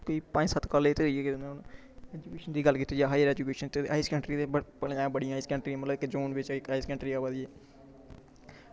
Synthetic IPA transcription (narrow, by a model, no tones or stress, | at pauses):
koiːpə̃ɲsət̪kaːleːt̪eiek̪nã | ɛːd͡ʒuːkeːʃənd̪iːɡəlkiːt̪iːd͡ʒaɦaːjəɾɛːd͡ʒuːkeːʃənt̪eaːiskə̃ɳʈɾiːt̪ebəpəlẽãbəɽijãːɪskə̃ɳʈɾiãːmət̪ləbɪkd͡ʒoːnʋɪt͡ʃɪkaiskə̃ɳʈɾiːaːʋad̪ieː